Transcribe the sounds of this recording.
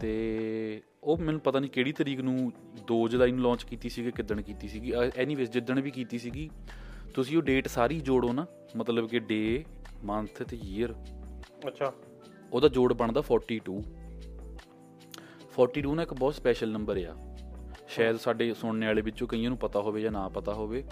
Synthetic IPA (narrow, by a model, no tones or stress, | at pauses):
t̪eː | oːmɛːnũːpət̪aːniːkeːɽiːt̪əɾiːknũː | d̪oːd͡ʒd̪aːiñːlɔ̃ːt͡ʃkiːt̪iːsiːɡeːkɪd̪əɳkiːt̪iːsiːɡiːɛːnĩːʋɪsd͡ʒɪd̪əɳʋiːkiːt̪iːsiːɡiːt̪ʊsĩːoːɖeːʈsaːɾiːd͡ʒoːɽoːnaː | mət̪ləbkɪɖeːmənt̪ʰt̪ejiːəɾʰ | oːd̪aːd͡ʒoːɽbəɳd̪aːpʰɔːɾʈiːʈuː | pʰɔːɾʈiːʈuːnãːɪkbɔːt̪spɛːʃəlnəmbəɾeːa̰ːʃaːəd̪saːɖeːsʊɳneːaːleːbɪt͡ʃt͡ʃõːkəijãːnũːpət̪aːɦoːʋeːd͡ʒãːnãːpət̪aːɦoːʋeː